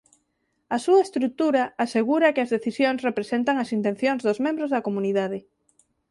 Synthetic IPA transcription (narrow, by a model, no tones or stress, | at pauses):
ɐsuɐest̪ɾuk̚t̪uɾaaseɣuɾɐkɪɐzðeθisjoŋsrepɾesent̪aŋɐsint̪ẽn̟θjoŋzðʊzmẽmbɾozðɐkomuniðað̞ɪ